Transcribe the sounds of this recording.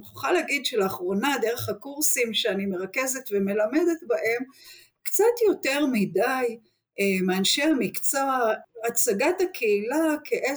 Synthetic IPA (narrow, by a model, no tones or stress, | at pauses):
χoχaleaɡid̪ʃeleaχʁo̞nad̪e̞ʁe̞χhakuʁsimʃeanime̞ʁake̞zetve̞me̞lame̞de̞t̪baʔe̞m | kt͡satjo̞te̞ʁmidaj | emeanʃemikt͡saː | t͡saɡatakʰeilakeʔe